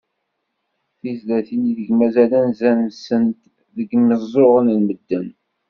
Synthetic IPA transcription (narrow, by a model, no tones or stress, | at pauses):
θiθðæθiniðəɡmæzælænzænsənt̪ | ðəɡməzˤoʁənlməd̪ːən